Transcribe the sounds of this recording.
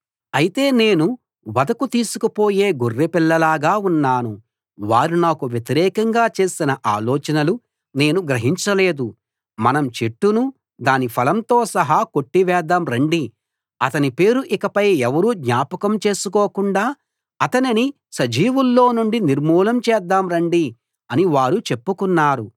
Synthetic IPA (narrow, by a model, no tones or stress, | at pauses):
ɐjit̪e̞ːne̞ːnu | ʋɐd̪ɐkut̪iːsukupo̞ːjeːɡorːepilːɐlaːɡaːunːaːnu | ʋaːɾinaːkuʋjet̪iɾɛːkɐŋɡaːt͡ʃe̞ːsinɐʔaːlɔːt͡ʃɐnɐlu | ne̞ːnuɡɾɐɦiɲt͡ʃɐle̞ːd̪u | mɐnɐmt͡ʃeʈːunu | d̪aːnipʰɐlɐmt̪o̞ːsɐɦɐko̞ʈːiʋɛːd̪aːmɾɐɳɖi | ɐt̪ɐnipe̞ːɾuʔikɐpɐjɛʋɐɾuːd̪ɲaːpɐkɐmt͡ʃe̞ːsukoːkuɳɖaː | ɐt̪ɐnini | sɐd͡ʒiːʋulːo̞ːnuɳɖiniɾmuːlɐmt͡ʃɛːd̪ːaːmɾɐɳɖi | ɐniʋaːɾut͡ʃe̞pːukunːaːɾu